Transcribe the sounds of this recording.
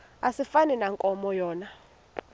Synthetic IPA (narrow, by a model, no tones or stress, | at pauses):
asifaninaŋkʼɔmɔjɔːna